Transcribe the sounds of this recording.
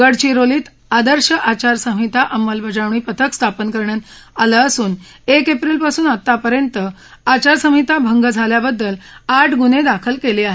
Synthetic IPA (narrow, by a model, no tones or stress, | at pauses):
ɡəɽt͡ɕiːɾoliːt̪ | ad̪əɾɕəʔat͡ɕaɾsəɦit̪aʔəmːəlbʱəd͡ʑaʋɳ̃iːpət̪ʰəkst̪ʰapənkəɾɳjat̪aləːsuːn | ekepɾiːlpasuːnət̪ːapəɾjənt̪ə | at͡ɕaɾsəmit̪abʱəŋɡəd͡zʱaljabəd̪ːəlaʈʰɡuned̪akʰəlkeliːaɦe